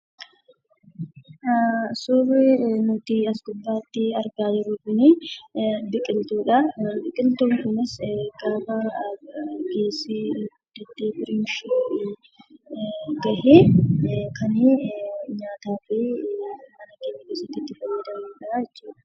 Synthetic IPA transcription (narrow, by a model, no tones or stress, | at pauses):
sʊːrenʊt̪ɪɐsɡʊbːaːt̪ːɪɐɾɡaːd͡ʒɪɾʊbɪni | bɪkʼɪlt̪uːᶑɐbɪkʼɪlt̪oːŋkʊnɪsɡaːbɐ | ɡe̞ːsːiɡʊd̪ːɛt̪ːeːbɪɾɪnʃi | ɡɐhe | kʰɐniɲaːt̪aːfiːmɐnɐkeːɲːɐkeːsɐt̪ːɪt̪ːɪfɐjeːd̪ɐmːᶑɐaɛt͡ʃːuːᶑɐ̥